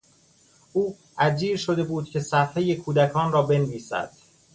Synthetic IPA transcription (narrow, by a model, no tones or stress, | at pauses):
ʔuː | ʔæd͡ʒiːɾʃod̪e̞buːd̪̚cʰe̞sæfhejekʰuːd̪ækʰɒːnrɒːbe̞nviːsæ̰d̪̥